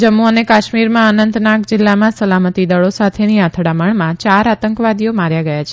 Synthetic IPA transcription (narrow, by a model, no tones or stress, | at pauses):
d͡ʒəmːuənekaʃmiɾmãənənd̪nakd͡ʒɪlːamãsəlamət̪id̪əɭosat̪ʰeniat̪ʰɽaməɳmãt͡ʃaɾat̪əŋkʋad̪ijomaɾjaɡəjat͡ʃʰe̥